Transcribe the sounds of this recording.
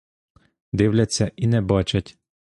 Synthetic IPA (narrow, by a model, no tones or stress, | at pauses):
d̪ɪwlʲɐt͡sʲːɐʔinɛbat͡ʃɐtʲ